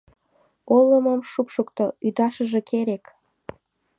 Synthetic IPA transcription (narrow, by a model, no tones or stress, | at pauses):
olːəməmʃupʃukt̪oyd̪ɑʃə̆ʒekeɾek